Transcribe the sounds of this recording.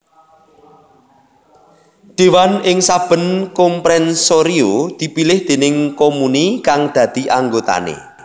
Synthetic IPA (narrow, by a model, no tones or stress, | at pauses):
ɖ̪̥e̤wanɪŋsab̥ə̤nkɔmpɾɛnsoɾiod̪̥i̤pilɪhd̪̥e̤nɪŋkomunikaŋd̪̥ä̤d̪̥i̤ʔaŋɡot̪a̰nḛ